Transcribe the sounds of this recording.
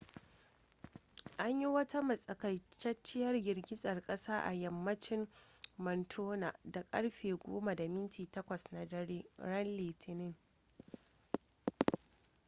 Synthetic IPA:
ʔa˦ɲji˦wɐ˦ta˦mɐ˨sʼɐ˨kɐ˨jt͡ʃɐ˦t͡ʃːɪ˦jɐ˦rɡɪ˨rɡʲɪ˦sʼɐ˨rkʼɐ˦saː˦ʔa̰˨jɐ˨mːɐ˦t͡ʃɪ˦mmɐ˨ntʰoː˦na˨da˨kʼɐ˦ɽɸeː˨ɡʷo̰ː˦ma˨da˨mɪ˦ntiː˨tɐ˦kʷɐ˨sna˨ɐ˦eː˦ɾɐ˦nleː˨tʰɪ˨nɪ˦ŋ

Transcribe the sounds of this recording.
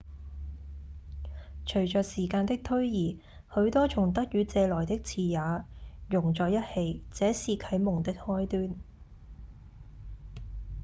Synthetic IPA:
t͡ʃʰɵ˨˩ɥt͡ʃœː˨k̚siː˨˩kaː˧nt̪ɪ˥k̚t̪ʰɵ˥ɥjiː˨˩ | hɵ˨˥ɥt̪ɔː˥t͡ʃʰʊ˨˩ŋt̪ɐ˥k̚jyː˨˧t͡sɛː˧lɔː˨˩jt̪ɪ˥k̚t͡sʰiː˨˧jaː˨˥jʊ˨˩ŋt͡sɔː˨jɐ˥t̚he˧jt͡sɛː˨˥siː˧kʰɐ˨˥jmʊ˨˩ŋt̪ɪ˥k̚hɔː˥jt̪yː˥n

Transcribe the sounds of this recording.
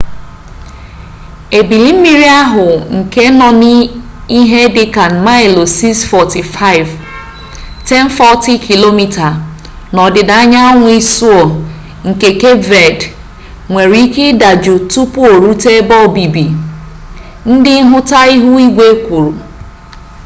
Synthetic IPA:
e˨bi˨li˨m̩˦mi˦ɾi˦a˦ɦʊ˨ŋ̩˨ke˦nɔ˨ni˦ | i˦ɦe˦dɪ˦ka˨n̩˨ma˦ɪ˨lo˨si˦sfɔ˨ti˨fa˦ɪ˨v | tɛ˦n˦fɔ˦ti˦kʰi˨lo˦mi˦ta˨ | nɔ˨dɪ˨da˨a˦ɲa˦ŋʷʊ˦i˦su˦ɔ˨ | ŋ̩˨ke˨ke˦vɛ˨d | ŋʷe˨ɾi˨˦ke˦da˨d͡ʒʊ˨tu˦pʊ˦o˨ɾu˦te˦bɔ˦˨bi˨bi˨ | n̩˦dɪ˦ɦʊ˦ta˦i˦ɦu˦i˦ɡʷe˦kʷu˨ɾu˨

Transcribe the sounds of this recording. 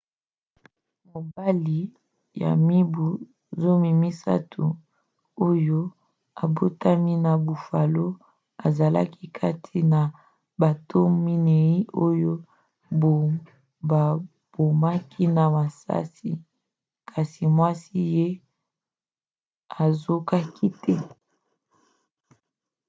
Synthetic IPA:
mo˨ba˦li˨ | ja̰˨mi˦bu˨ | zo˦mi˨mi˦sa̰˦tʰṵ˨ | o˦jo˦ | a˨bo˦ta˦mi˦na˨bu˨fa˨lo˦ | a˨za˨la̰˦ki˦kʰa˦tʰi˦na˨ | ba˨tʰo˦mi˦ne˨i˦o˦jo˦ | bo˨ | ba˨ | b̥o˨ma˦kʰi˦na˨ma˨sa̰˦si˨ | kʰa˨si˨mwa˦si˦je˦ | a˨zo˦ka˦ki˦tʰɛ˦

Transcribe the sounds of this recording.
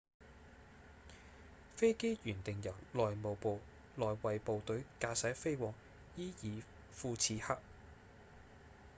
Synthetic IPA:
fe˥jke˥jjyː˨˩nt̪ɪ˨ŋjɐ˨˩wlɔː˨jmo˨wpo˨w | lɔː˨jwɐ˨jpo˨wt̪ɵ˨˥kaː˧sɐ˨˥fe˥jwɔː˨˥ŋ | jiː˥jiː˨˧ | fuː˧t͡sʰiː˨˧ha˥k̚

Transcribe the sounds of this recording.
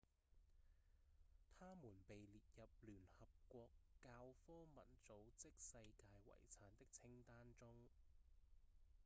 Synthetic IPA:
t̪ʰaː˥muː˨˩npe˨jliː˨t̚jɐ˨p̚lyː˨˩nhɐ˨p̚kʷɔː˧kːaː˧wfɔː˥mɐ˨˥nt͡so˨˥wt͡sɪ˥k̚sɐ˧jkaː˧jwɐ̰˨˩jt͡sʰaː˨˥nt̪ɪ˥k̚t͡sʰɪ˥ŋt̪aː˥nt͡sʊ˥ŋ

